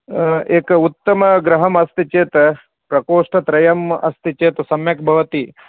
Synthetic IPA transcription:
eːkɐut̪ːɐmɐɡɾɐɦɐmɐst̪it͡ʃeːt̪ɐ | pɾɐkoːʂʈɐt̪ɾɐjɐmɐ̰st̪it͡ʃeːt̪ɐsɐmjɐk̚bʱɐʋɐt̪i

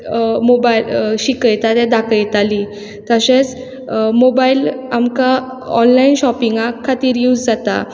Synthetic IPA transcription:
mobailɕikəjt̪at̪ɛ̃d̪akəjt̪ali | t̪əɕẽt͡s | mobailamka | ɔ̰nlainɕɔpiŋɡakʰːat̪iːɾjud͡zd͡zat̪a̰

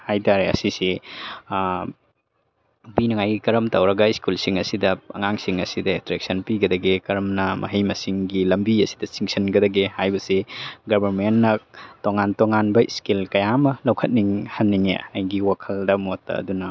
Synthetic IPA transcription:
hajtaɾeɐ̰sisi | binɐŋajɡikɐɾɐmtɐwɾɐɡɐiskulsiŋɐsidɐɐ̰ŋaŋsiŋɐsidɐetɾek̚sɐnpiɡɐdɐɡekɐɾɐmnɐmʔɐ̰ɦɐjmɐsiŋɡilɐmbiɐsi̥dɐsiŋsɐnɡɐdɐɡehajbɐsiɡɐbʱɐɾmenːɐtoŋantoŋanbɐiskilkɐjamɐlɐwkʰɐt̚niŋhɐnːiŋḛɐjɡiwakʰɐldɐmotːɐ̰ɐ̰dunɐ

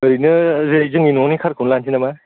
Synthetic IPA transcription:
ɯɾinɯzezɯŋinɔnikʰaɾkʰɯwnlansʰinama

